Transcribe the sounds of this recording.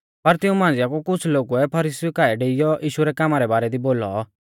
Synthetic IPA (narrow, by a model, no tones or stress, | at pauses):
pɐɾt̪ɪũmãːnd͡zɪjakukʊt͡sʰloːɡuɛpʰɐɾiːsijukaːɛɖeːɪjɔʔiːʃuɾɛkaːmaɾɛbaːɾɛd̪iboːlɔ̰